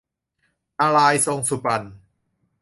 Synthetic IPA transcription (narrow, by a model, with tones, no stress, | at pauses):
ʔa˧la˧jso˧ŋsu˨˩pa˧˩n